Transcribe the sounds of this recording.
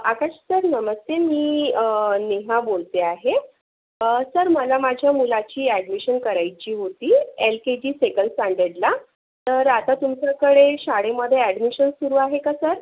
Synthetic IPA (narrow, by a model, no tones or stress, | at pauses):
akaɕsəɾnəməst̪emiːəneɦabolt̪eaɦe | səɾməlamad͡ʑʱjamulat͡ɕiːæɽmiɕənkəɾajt͡ɕiːɦot̪iːelked͡ʑiːsekənsãɳɖeɽla | t̪əɾat̪at̪umt͡səkəɽeɕaɽeməd̪ʱːjeæɖmiɕənsuɾuːaɦekasəɾ